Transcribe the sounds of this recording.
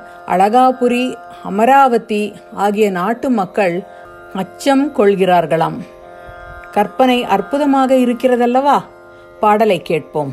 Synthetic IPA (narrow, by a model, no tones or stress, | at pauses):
ʔɐ̰ɭɐɣaːpɯɾi | ɐmɐɾaːʋɐt̪ːi | aːɣɪjɐnaːʈːɯmɐkːɐɭ | mɐt͡ʃːɐmkɔɭɣɪraːɾɣɐɭaːm | kɐɾpɐnɐɪʔɐrpɯðɐmaːɣɐɪɾɯkːɪrɐðɐlːɐʋaː | paːɽɐlɐɪkːeːʈ̚poːm